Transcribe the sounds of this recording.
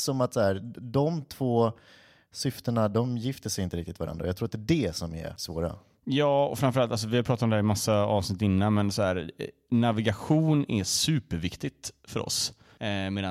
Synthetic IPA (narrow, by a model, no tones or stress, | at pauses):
sɔmat̪sɔhæːɾd̪ɔmt̪ʰv̥oː | sʏft̪əɳad̪ɔmjɪft̪əsɛjɪnt̪əɾɪkt̪ɪt̪vaɾa̰nɾaɔjɑt̪ʰɾuːɾat̪d̪ɛdɛsɔmɛ̰ɾsvoːɾa̰ | jɑːɔfɾamfœɾalt̪als̬ɔvɪhaɾpʰɾɑːt̪at̪ɔmd̪ɛɾɪmasːaɑːvsnɪt̪ːɪnːanmɛnsɔɦæːɾ | navɪɡaɧuːnɛsʉ̟ːpəɾvɪkt̪ɪt̪fœɾɔ̰s | meːd̪ã